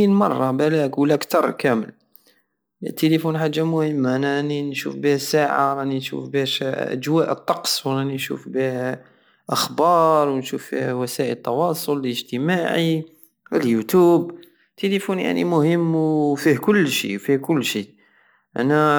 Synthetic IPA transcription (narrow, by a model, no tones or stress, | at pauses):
inmɑrˤːɑbælækwəlːækt̪ɑɾˤkæməl | t̪ːəlifunħaʒːamʊhəmːaʔænaʔənːinʃṵfbihæsaʕa̰ɾˤɑninʃṵfbiʃʔæ̰d͡ʒwæʔət̪ˤːɑqsˤwɾˤɑninʃṵfbi | ʔɑxbɑːɾˤwnʃufːḭhwæsæʔələt̪ːɑwɑsˤolələʒt̪əmaʕi | əljut̪ub | t̪elifunja̰ʕnḭmʊhəmːwfihkʊlːʃḭfihkʊlːʃi | ʔæ̰næ